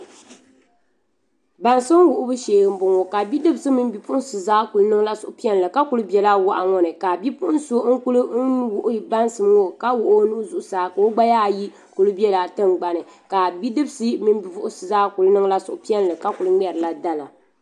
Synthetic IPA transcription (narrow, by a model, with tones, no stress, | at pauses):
ba˨nsɨ˦m˦wʊ˨ʔʊ˦bɨ˦ʃeː˨ɡɨ˨m˦bʊ˨ŋo˨ka˨bi˦dɨ˦bsɨ˦mɨ˦n˦bi˨pʊ˦ʔʊ˦sɨ˨zaː˦ku˨lɨ˦nɨ˦ŋ˦la˦sʊ˨ʔʊ˦pi˦ɛ˦n˨lɨ˨ka˦ku˨lɨ˦bɛ˨la˦wa˦ʔa˨ŋɔ˦nɨ˨ka˨bi˦pʊ˦ʔn˦so˦ŋ̩˦ku˦lɨ˦wʊ˨ʔʊ˦ji˨ba˦n˦sɨ˨m˦ŋo˦ka˦wʊ˨ʔʊ˦nu˦zʊ˨ʔʊ˨saː˨ka˨o˦ɡ͡ba˦jaː˦˨ji˦ | ku˨lɨ˦bi˦ɛ˦la˨tɨ˦ŋɡ͡ba˨nɨ˨ | ka˨bi˦dɨ˦bsɨ˦mɨ˦n˦bi˨vʊ˦ʔʊ˦sɨ˨zaː˦ku˨lnɨ˦ŋ˦la˦sʊ̰˨ʔʊ˨pi˦ɛ˦n˨lɨ˨ka˦ku˨lɨ˦m˦ɛ˨ɾɨ˨la˦da˦la˨